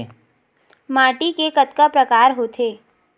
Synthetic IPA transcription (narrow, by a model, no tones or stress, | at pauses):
maːʈikekət̪kapɾəkaːɾɦoːt̪ʰeː